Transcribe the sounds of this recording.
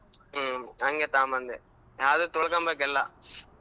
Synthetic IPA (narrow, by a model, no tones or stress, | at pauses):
ɐŋɡet̪aːmɐnd̪ḛ | jaːðɯt̪ɔɭkaːmbak̬ɛlːã̰